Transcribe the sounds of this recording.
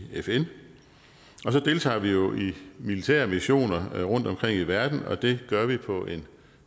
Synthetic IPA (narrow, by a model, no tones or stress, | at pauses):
efen | ɒ̽sɒ̽d̥e̝lt͡sʰɑ̰̈ːʋijo̝ʔimilit͡sʰḛɐmiɕo̝̰ːnɐʁɔ̽n̰d̥ɒ̽mkʰʁeŋ̰iʋæɐd̥n̩ɒ̽d̥e̝ɡ̥ɶɐʋipʰɒ̽ʔe̝n